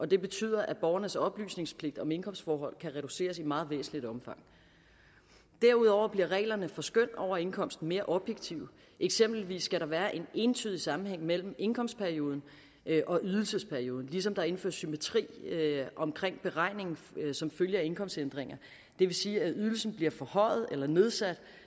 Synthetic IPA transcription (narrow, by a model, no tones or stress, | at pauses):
ʔɒ̽d̥e̝b̥e̝t͡sʰy̰ːð̞̰ˠɐʔæb̥ɒʊɐnəsɒ̽b̥ly̰ːsne̝ŋspʰle̝ɡ̥d̥ɒ̽me̝nkʰɒ̽m̰sd̥fɒːɦɒ̽l̰kʰæʁɛɾ̥use̝̰ːɐsimɑ̈ːð̞̩ˠʋḛːsn̩lid̥ɒ̽mfɑ̈ŋ̰ | d̥æɐ̰uð̞̰ˠɒʊɐb̥liɐʁɛ̰ːlɐnəfɒ̽sɡ̥øn̰d̥ɒʊ̰ɐe̝nkʰɒ̽m̰sd̥n̩me̝ːɐʔɒ̽b̥jeɡ̥t͡sʰiʊ | ʔeɡ̥sem̰b̥l̩ʋḭːsːɡ̥æɾɑ̈ʋæːɐʔe̝ne̝nt͡sʰy̰ðˠisɑ̈m̩heŋ̰mel̰m̩e̝nkʰɒ̽m̰sd̥pʰæɐio̝ːð̞ˠn̩ | ʔʔɒ̽ʔyð̞ˠl̩səspʰæɐio̝ːð̞ˠn̩lis̬ɒ̽md̥ɑ̈e̝n̩fø̰ɐ̰symæt͡sʰʁḭːʔɒ̽mkʰʁeŋ̰b̥e̝ʁɑ̈ɪ̰ne̝ŋn̩sɒ̽mføljəe̝nkʰɒ̽m̰sd̥send̥ʁeŋ̰ɐ | d̥e̝ʋe̝siːæyðˠl̩sn̩b̥liɐfɒ̽hɒ̽ɪ̰ð̞̩ˠelɐne̝ð̞ˠsæd̥